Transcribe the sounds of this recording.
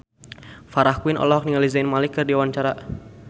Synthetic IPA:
faɾahkwinʔɔ̰lɔɦɔk̚niŋalizaɪnmalikːɨrdiawaɲt͡ʃaɾa

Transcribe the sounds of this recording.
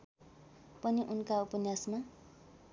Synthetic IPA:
pʌniʔunkaupʌnjasma

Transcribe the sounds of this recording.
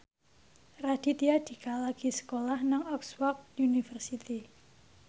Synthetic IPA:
rad̪̥it̪iad̪̥i̤kalaɡ̥isə̥kolahnaŋɔkswɔk̚unifərsit̪i

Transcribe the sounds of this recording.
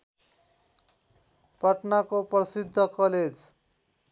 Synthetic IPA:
pʌʈnakoprʌsid̪ʱːʌkʌled͡z

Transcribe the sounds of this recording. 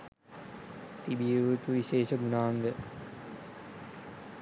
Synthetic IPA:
t̪ibijəʋut̪uʋiɕeːʃəɡunaːnd̪ə

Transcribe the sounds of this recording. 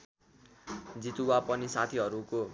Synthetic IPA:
d͡zit̪uwapʌnisat̪ʰiɦʌɾuko

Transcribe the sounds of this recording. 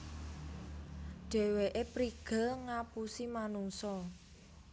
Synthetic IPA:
ɖ̥ɛ̤weʔepɾiɡ̥ə̤lŋapusimanuŋsɔ

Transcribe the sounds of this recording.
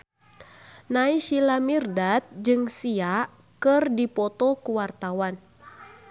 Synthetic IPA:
naiʃilamirdat̪̚d͡ʒɨŋsia | kɨrdipɔt̪ɔkuwart̪awan

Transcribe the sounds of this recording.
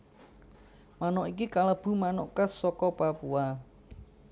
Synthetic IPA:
manɔʔikikaləb̥ṳmanoʔkəsɔkɔpapua

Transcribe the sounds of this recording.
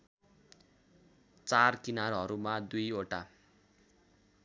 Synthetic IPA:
t͡sarkinarɦʌɾumad̪ujoʈa

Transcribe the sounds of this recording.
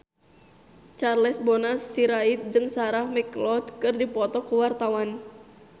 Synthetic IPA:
t͡ʃarlɛsbɔnasːiɾait̪̚d͡ʒɨŋsaɾahmɛklɔdkɨrdipɔt̪ɔkuwart̪awan

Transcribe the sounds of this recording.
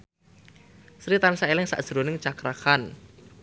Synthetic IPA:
sɾit̪ansaelɪŋsa̰ʔd̥ʒ̥əɾonɪŋt͡ʃakɾakan

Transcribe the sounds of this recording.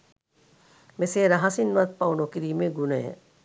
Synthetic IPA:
meseːɾɐɦɐsinʋɐt̪̚pɐwnokiɾiːmeɡunɐjə̰

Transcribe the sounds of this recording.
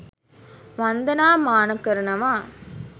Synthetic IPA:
ʋɐnd̪ɐnaːmaːnɐkːɐɾɯnɐmaː

